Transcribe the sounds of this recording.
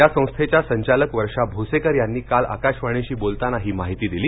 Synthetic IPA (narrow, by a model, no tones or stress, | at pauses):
jasə̃w̃st̪ʰet͡ɕjasəɲt͡ɕaləkʋəɾʂabʱusekəɾjanːiːkala̰kaɕʋaɽ̃eɕiːbolt̪anaɦiːmaɦit̪iːd̪iliː